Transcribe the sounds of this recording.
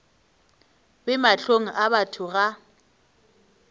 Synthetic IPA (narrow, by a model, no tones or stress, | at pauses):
bɪmaɬoŋ̩ʔabatʰʊɣa